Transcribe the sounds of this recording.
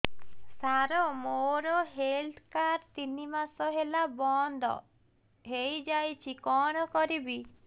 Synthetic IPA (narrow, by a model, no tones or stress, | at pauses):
saɾɔmoɾɔɦelt̪ʰkaɾt̪inimasɔɦelabɔnd̪ɔ̰ | ɦejd͡ʒajt͡ʃʰikɔɽ̃ɔkɔɾibi